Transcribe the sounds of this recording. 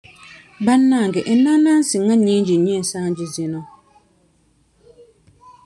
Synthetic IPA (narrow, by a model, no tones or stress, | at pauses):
banːaŋɡɛʔ̩nalansɪŋːaɲind͡ʒiɲɛɛsaːnd͡ʒɪzɪnɔ